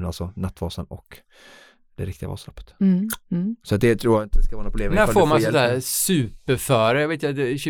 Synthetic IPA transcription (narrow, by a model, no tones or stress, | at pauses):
nalsɔnat̪ːvɑːsənɔk | d̪̥ɛɾɪkt̪ɪɡa̰vɑ̰ːslɔpːə̥t̪ | sɔat̪̚d̪ɛt̪ʰɾuːjaɡɪnt̪ːəɛskavɑːnapʰʊleːmnæːɾfoːɾmanssæːsʉːpəɾfœːɾəjɑːveːt̪jad̪ɛɕ